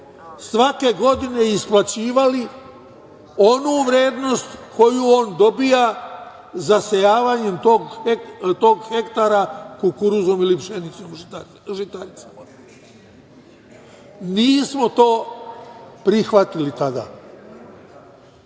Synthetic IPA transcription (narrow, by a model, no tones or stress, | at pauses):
sʋake̞ɡo̞d̪ine̞isplˠat͡ɕiːʋali | o̞nuʋɾe̞ːd̪no̞st̪ko̞juo̞ːnd̪o̞bija | zasejaːʋaɲe̞mt̪oɡt̪o̞ːɡxe̞kt̪aɾakukuɾuzo̞milipʃenit̪som | ʒit̪aɾit̪sama | niːsmo̞t̪o̞ː | pɾixʋat̪ilit̪ad̪a̰ː